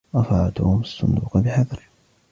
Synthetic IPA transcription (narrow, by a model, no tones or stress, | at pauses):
ʔɑfɑʕd̪ʊhʊmasˤːʊ̰nd̪ṵːqbɪħaðɾˤ